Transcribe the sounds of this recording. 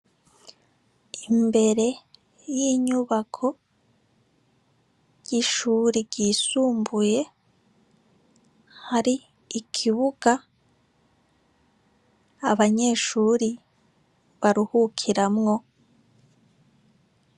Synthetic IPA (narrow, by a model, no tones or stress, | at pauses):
imbe̞ɾe̞ | jiːɲuβakʰo̞ | jiʃuːɾiɾɟiːsuːmbuje̞ | haɾiː | kʰiβuɡ̥a | βaɲe̞ːʃuːɾi | βaɾuhukʰiɾamŋo̞